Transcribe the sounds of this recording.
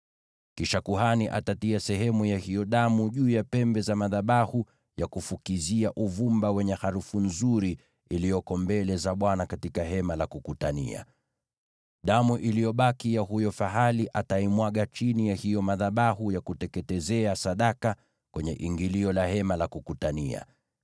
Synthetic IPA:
kiʃakuɦaniʔatatiasɛɦɛmujahijɔɗamuʄuːjapɛmbɛzamaðaɓahu | jakufukiziaʔuvumbawɛɲɛhaɾufun̩zuɾi | ilijɔkɔmbɛlɛzaɓwanakatikaɦɛmalakukutanḭa̰ | ɗamuʔilijɔɓakijahujɔfaɦaliʔataimwaɠat͡ʃinijahijɔmaðaɓahujakutɛkɛtɛzɛasaɗaka | kwɛɲɛʔiŋɡiliɔlahɛmalakukutanḭa̰

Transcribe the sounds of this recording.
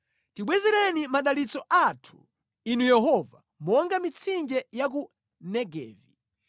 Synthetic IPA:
tiɓwɛzɛɾɛnimaɗalit͡sɔʔatʰu̥ | inujɛɦɔva | mɔŋɡamit͡sʰind͡ʒɛjak̬u | nɛɡɛ̰ːvi

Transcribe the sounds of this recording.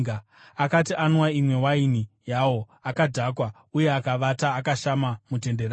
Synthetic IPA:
a | akatiʔanwaimwe̞wainijawo̞ | akadʱakwa | uje̞akaʋataːkaʃamamute̞ndera

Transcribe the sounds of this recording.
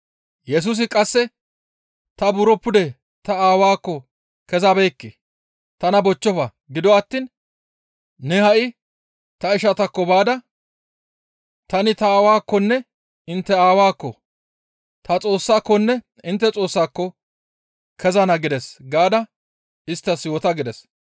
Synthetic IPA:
jɛs̬uːs̬ɪkʼɐsːɛ | t̪ɐbʊɾɔpːʊd̪ɛ | t̪ɐaːwaːkːɔ | kɛzabɛːkːe | t̪ɐnɐbɔt͡ʃːɔfɐ | ɡɪd̪ɔɐt̪ːiːn | nɛhɐʔɪ | t̪ɐɪʃɐt̪ɐkːɔbaːd̪ɐ | t̪ɐnɪt̪ɐaːwaːkːɔnːɛ | ɪnt̪ːɛaːwaːkːɔ | t̪ɐt͡sʼo̞ːsːaːkːɔnːɛ | ɪnt̪ːɛt͡sʼo̞ːsːaːkːɔ | kʰɛzɐnɐɡɪd̪ɛsɡaːd̪ɐ | ɪst̪ːɐsjoːt̪ɐɡɪd̪ɛs

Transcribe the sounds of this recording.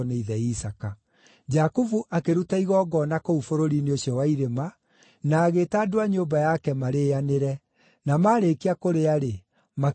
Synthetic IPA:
neiðɛisaka | d͡ʒakuvuʔakeɾutaiɣɔːɡɔnakoufoɾoɾineoɕjɔwaiɾema | naːɣetaːdoaɲombajakɛmaɾeaneɾɛ | namaːɾekiakoɾeaɾe | ma

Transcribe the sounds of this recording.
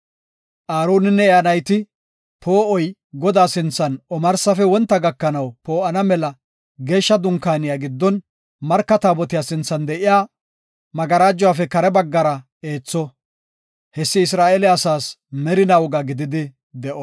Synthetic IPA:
ʔaːɾoːnɪnːɛɛɐnɐjt̪ɪ | po̞ːʔɔjɡɔd̪aːsɪnt͡sːɐnɔmɐɾsɐfɛwɔnt̪ːɐɡɐkːɐnɐwpo̞ːʔɐnɐmɛlɐ | ɡe̞ːʃːɐd̪ʊŋkaːnɪjaːɡɪd̪ːɔn | mɐɾkːɐt̪aːbɔt̪ɪjaːsɪnt͡sːɐnd̪ɛʔɪjaː | mɐɡɐɾaːd͡ʒːɔwaːfɛkɐɾɛbɐɡːɐɾɐ | e̞ːt͡sːɔ | hɛsːɪɪs̬ɾaːʔelɛɐsaːs | mɛɾɪnɐwɔɡɐɡɪd̪ɪd̪ɪ | d̪ɛʔɔ

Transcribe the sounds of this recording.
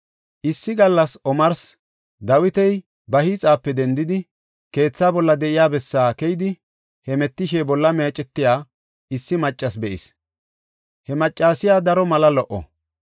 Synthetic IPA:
ʔɪsːɪɡɐlːɐsɔmɐɾs | d̪ɐwɪt̪ɛj | bɐhiːt͡sʼaːpːɛd̪ɛnd̪ɪd̪ɪ | ke̞ːt͡sːaːbɔlːɐd̪ɛʔɪjaːbɛsːaːkɛjɪd̪ɪ | hɛmɛt̪ːɪʃɛbɔlːɐmeːt͡ʃʼɛt̪ːɪjaː | ɪsːɪmɐt͡ʃʼːɐsbɛʔɪ̰s | hɛmɐt͡ʃʼːaːsɪjaːd̪ɐɾɔmɐlɐlɔʔɔ̰

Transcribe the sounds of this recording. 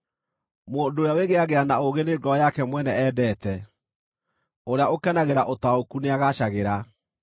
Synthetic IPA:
moːndoːɾjaweɣeaɣeanaoɣeneɡɔjakɛmwɛnɛɛːdɛːtɛ | oɾeaokɛnaɣeɾaʔotaokuneaɣaɕaɣeɾa

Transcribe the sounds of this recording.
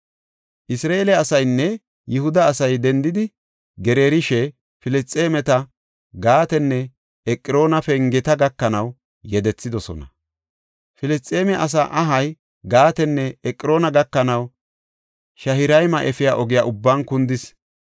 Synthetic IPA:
ʔɪsɾaːeːlɛɐsɐjnːɛ | jɪhʊd̪ɐːsɐjd̪ɛnd̪ɪd̪ɪ | ɡɛɾeːɾɪʃɛ | fɪlɛst͡sʼːeːmɛt̪ɐ | ɡaːt̪ɛnːɛ | ɛkʼːɪɾo̞ːnɐfɛŋɡɛt̪ɐɡɐkːɐnɐw | jɛd̪ɛt͡sːɪd̪ɔsɔ̰nɐ | fɪlɪst͡sʼːe̞ːmɛʔɐs̬a̰ʔɐɦɐj | ɡaːt̪ɛnːɛɛkʼːɪɾo̞ːnɐɡɐkːɐnɐw | ʃɐhɪɾɐjmɐʔɛfɪjaːʔɔɡɪjaːʔʊbːankʊnd̪ɪs

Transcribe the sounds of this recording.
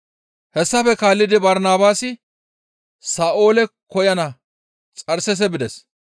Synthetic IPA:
hɛsːɐfɛkaːlːɪd̪ɪbɐɾnaːbaːsɪ | saːʔo̞ːlɛkɔjɐnɐ | t͡sʼɐɾsɛs̬ɛbɪd̪ɛs

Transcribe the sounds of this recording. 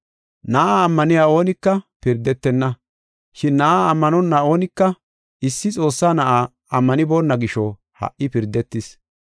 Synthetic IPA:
nɐʔaːmːɐnɪjaːo̞ːnɪkːɐpɪɾd̪ɛt̪ːɛnːɐ | ʃɪnːɐʔaːmːɐnɔnːɐo̞ːnɪkːɐ | ɪsːɪt͡sʼo̞ːsːaːnɐʔaː | ɐmːɐnɪboːnːɐɡɪʃɔ | hɐ̰ʔɪpɪɾd̪ːɛt̪ːɪs

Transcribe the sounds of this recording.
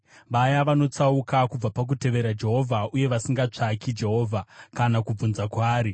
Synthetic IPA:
ʋajaʋano̞t͡saukakub͡vapak̬ute̞ʋe̞ɾad͡ʒe̞ɦo̞vʱauje̞ʋasiŋɡat͡ʂakid͡ʒe̞ɦo̞ːvʱakanakub͡vunzakwaːɾi

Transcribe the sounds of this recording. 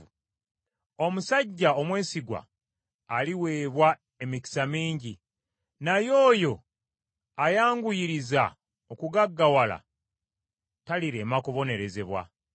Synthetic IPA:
o̞musaɟːao̞mwe̞ːsiɡwa̰ː | liwe̞ːβwa | e̞miki̥samiːɲɟi | najo̞ːjo̞ | ajaːŋɡujiɾiza | okuɡaɡːawala̰ | taliɾe̞ːmakoβo̞ne̞ɾe̞ze̞βwa̰

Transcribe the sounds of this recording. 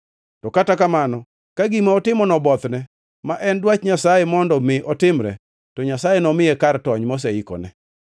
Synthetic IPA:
tɔkatakamanɔ | kaɡimaɔtɪmɔnɔbɔt̪nɛ | maʔɛndwat͡ʃɲasajemɔndɔmɪʔɔtɪmɾɛ̰ | tɔɲasajenɔmɪjɛkartɔɲmɔs̬ɛikɔ̰nɛ

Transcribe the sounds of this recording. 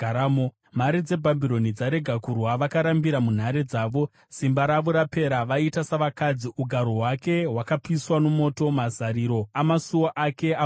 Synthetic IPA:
aamo | m̤aɾid͡ze̞bʱambiɾo̞nid͡zaɾe̞ɡʱakurwaʋakaɾambiɾamun̤aɾed͡zaːʋo̞ | simbaɾaʋo̞ɾape̞ɾaʋaitasaʋakad͡ziʔuɡʱaɾoɦwake̞ɦwakapiswano̞mo̞to̞mazaɾiːɾo̞amasuoʔake̞a

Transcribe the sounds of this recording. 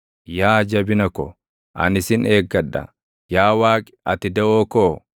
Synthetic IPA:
jaːd͡ʒɐbɪnɐkɔ | ʔɐ̰nɪsɪne̞ːɡːɐᶑːɐ̰ | jaːwaːkʼɪ̥ɐt̪ɪd̪ɐʔoːkoː

